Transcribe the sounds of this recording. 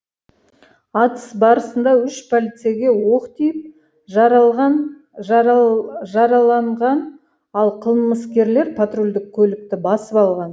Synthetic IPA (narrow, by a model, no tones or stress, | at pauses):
ɑt̪ə̥sbɑɾəsənd̪ɑʏʃpʰolit̪sijaɡʲe̞wo̞qt̪ijɪp̚ | ʒɑɾɑʁɑn | ʒɑɾɑlˠɑɴʁɑn | ɑlˠqʰəlˠməskʲe̞ɾle̞ɾpʰat̪rolʲd̪ɪk̚ʲʰːɵlɪk̚t̪ɪbɑsəpɑlˠʁɑn